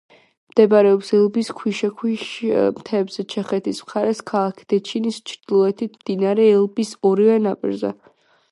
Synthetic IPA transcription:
md̪̥ɛbaɾɛɔpsɛlˠbiskʰwiʃɛkʰwiʃmt̪ʰɛːbz̥ɛt͡ʃʰɛχɛt̪ʰismχaɾɛskʰalˠakʰi̥d̪̥ɛt͡ʃʰinist͡ʃʰɾd̪̥ilˠɔɛt̪ʰit̪ʰmd̪̥inaɾɛːlˠbisɔɾivɛnapʼḭɾzɛ̰

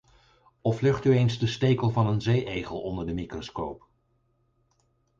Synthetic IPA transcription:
ɔflɵχtyejnzdəstejkəlˠvɑnənzejʔejχəlˠɔndəɹdəmikroskowp

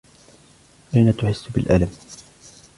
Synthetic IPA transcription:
ʔajnat̪ʊħɪsːbɪ̰lʔa̰lam

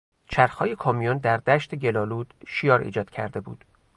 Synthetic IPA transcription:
t͡ʃʰæɾxɒːje̞kʰɒːmijond̪æɾd̪æʃt̪ʰeɟe̞lɒːluːd̪̥ʃijɒːɾḭːd͡ʒɒːd̪̥cʰæ̰ɾd̪e̞bṵːd̪̥

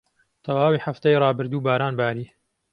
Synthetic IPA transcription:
t̪ʰɐwaːwiːħaft̪ajrˤɑːbɨɾd̪uːbaːɾaːnbaːɾiː

